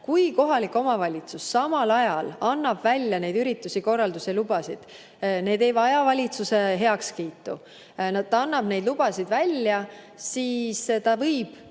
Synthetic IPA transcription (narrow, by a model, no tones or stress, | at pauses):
kujko̞ɦɑlikːˑo̞mɑvɑlʲit̪susːɑmɑlɑjɑlɑnːɑb̥vælʲjɑne̞jd̪yɾit̪ːˑusiko̞rːɑld̪uselub̥ɑsid̪̥ | ne̞ːd̪̥e̞jvɑjɑvɑlʲit̪suse̞ɦe̞ɑkskiːt̪ːˑu | nɑd̪̥̚t̪ːɑɑnːɑb̥ne̞jd̪lub̥ɑsid̪vælʲːjɑ | siːst̪ɑvɤjb̥